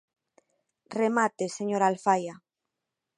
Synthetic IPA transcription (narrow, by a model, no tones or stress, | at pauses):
remat̪eseɲoɾalfaja